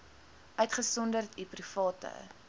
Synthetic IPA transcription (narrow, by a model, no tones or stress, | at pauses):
ʔœɥtχəsɔndərtiprifɑːtə̰